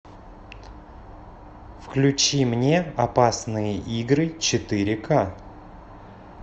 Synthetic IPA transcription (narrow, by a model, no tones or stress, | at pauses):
fklʲʉt͡ɕimnʲe̞ɐpasnɨjəʔiɡɾɨt͡ɕɪt̪ɨɾʲɪka